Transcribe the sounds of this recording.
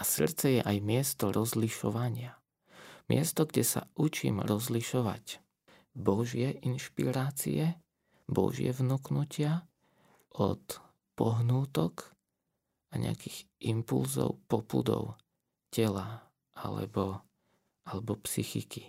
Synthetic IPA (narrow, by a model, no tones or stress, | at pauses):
ʔasr̩t͡sɛjɛʔajmɪɛst̪ɔɾʔɔzliʃɔʋaɲɪa | mɪɛst̪ɔɡɟɛsa̰ʔut͡ʃḭːmɾɔzliʃɔʋa̰c | bɔʒɪɛʔinʃpḭɾaːt͡sḭɛ | bɔ̰ʒɪɛ̰vnuknucɪa | ʔɔ̰t̪ | pɔɦnuːt̪ɔk | ʔaɲɛ̰a̰kiːɣʔimpṵlzɔ̰ʊpɔpṵd̪ɔ̰ʊ | cɛla | ʔa̰lɛ̰bɔ | ʔalɛbɔpsixiki